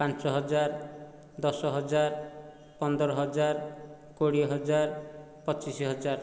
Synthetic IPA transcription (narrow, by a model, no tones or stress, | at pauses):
pãnt͡ʃɔɦɔd͡ʒaɾ | d̪ɔsɔɦɔd͡ʒaɾ | pɔnd̪ɔɾɔɦɔd͡ʒaɾ | koɽiɦɔd͡ʒaɾ | pɔt͡ʃisiɦɔd͡ʒaɾ